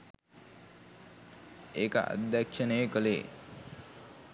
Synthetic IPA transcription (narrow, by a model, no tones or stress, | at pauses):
eːkə̰ʔa̰d̪ːækʃənejəkəleː